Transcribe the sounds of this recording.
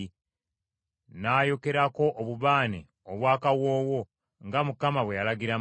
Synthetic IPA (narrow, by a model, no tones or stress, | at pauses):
naːjo̞ke̞ɾako̞ʔːβuβaːnḛ | oβwaːkawo̞ːwo̞ | ŋɡamukamaβwejalaɡiɾa